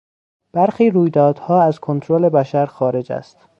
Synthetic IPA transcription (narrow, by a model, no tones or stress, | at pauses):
b̥æɾxiːɾuːjd̪ɒːd̪̥hɒːæzkʰo̞nt̪ʰɾole̞bæʃæɾxɒːɾe̞d͡ʒæ̰st̪